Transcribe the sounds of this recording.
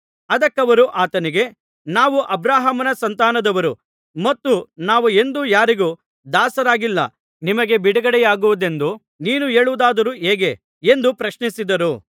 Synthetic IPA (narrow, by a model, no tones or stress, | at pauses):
ɐd̪ɐkːɐʋɐɾuʔaːt̪ɐniɡe̞ | naːʋuʔɐbɾaːɦɐmɐnɐsɐnt̪aːnɐd̪ɐʋɐɾu | mɐt̪ːunaːʋue̞nd̪ujaːɾiɡu | d̪aːsɐɾaːɡilːɐ̰ | nimɐɡe̞biɽɐɡɐɽɛjaːɡuʋud̪e̞nd̪u | niːnue̞ːɭuʋud̪aːd̪ɐɾuɦeːɡe̞ | end̪upɾɐʃnisid̪ɐɾu